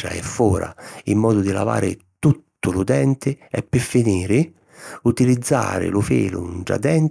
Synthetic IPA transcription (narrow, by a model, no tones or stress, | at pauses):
a̰ɛ̰fːɔːɾa̰imːɔːd̪ʊd̪ila̰va̰ːɾɪ | t̪ut̪ːʊlʊd̪ɛnt̪ɪɛpːɪfːiniːɾɪ | ut̪ilid̪zːa̰ːɾɪ̰lʊfiːlʊ̰nd͡ʒa̰d̪ɛnt